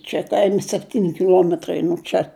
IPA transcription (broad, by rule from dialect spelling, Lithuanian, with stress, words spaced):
t͡ʃʲɛ ˈkɐɪmʲɪ sʲɛpʲˈtʲiːnʲɪ kʲɪˈlˠuɔmʲɛtrɐɪ nuɔ ˈt͡ʃʲɛ